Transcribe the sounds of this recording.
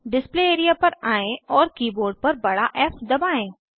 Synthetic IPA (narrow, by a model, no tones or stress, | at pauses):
ɖɪspleːeːɾijapɐɾaːẽɔːɾkiːboːɾɖ̚pɐɾbɐɽaʔɛːfd̪ɐbaːẽː